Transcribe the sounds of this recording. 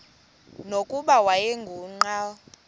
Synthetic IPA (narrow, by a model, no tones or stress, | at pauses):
nokʼuɓawajɛŋɡʱuːŋ͡ǃa